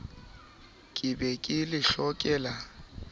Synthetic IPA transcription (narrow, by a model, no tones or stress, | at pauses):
kʼɪbɛkʼɪlɪɬɔkʼɛːla